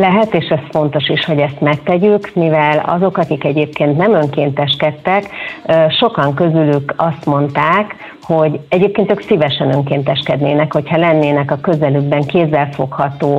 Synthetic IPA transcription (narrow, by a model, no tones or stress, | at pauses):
lɛɦɛt̪eːʃɛsfo̞n̪t̪o̞ʃiʃho̞ɟɛst̪mɛk̚t̪ɛɟykmivɛlɒ̰zo̞kɒkikɛɟeːpkeːnt̪nɛmøŋkeːnt̪ɛʃkɛt̪ːɛkːʃo̞kɒŋkø̞zylykɒst̪mo̞nt̪aːk | ho̞ɟɛɟeːpkeːnt̪øːksivɛʃɛnøŋkeːnt̪ɛʃkɛd̪neːnɛkho̞chɒlɛnːeːnɛkɒkø̞zɛlyɡ̚bɛŋkeːzːɛlfo̞khɒt̪oː